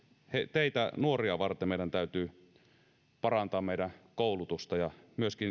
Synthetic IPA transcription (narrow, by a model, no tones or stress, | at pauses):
het̪eit̪ænuoriɑʋɑrt̪emeˑiɾænt̪æyt̪yː | pɑrɑnt̪ɑːmmeˑiɾækoˑulut̪ust̪ɑjɑmyøskin